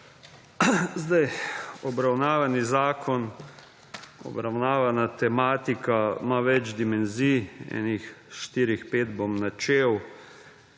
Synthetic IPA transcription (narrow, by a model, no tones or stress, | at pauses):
zd̪ajɔbɾawnaːʋanizaːkʰɔn | ɔ̰bɾawnaːʋanat̪ɛmaːt̪ikamaʋɛd͡ʒd̪imɛnziːɛ̰ːnixʃt̪iːɾixpeːd̪bomnat͡ʃeːw